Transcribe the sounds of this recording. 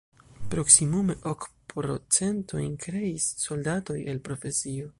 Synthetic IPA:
pɾo̞ksimume̞ʔokpɾo̞̰t͡se̞nto̰jnkɾe̞isːo̞ldato̞jelpɾo̞fe̞sio̞

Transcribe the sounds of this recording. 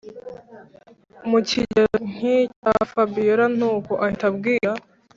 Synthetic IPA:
muciɟeŋ̥icafabiɾan̥uːkoʔaitabɡiːɾa

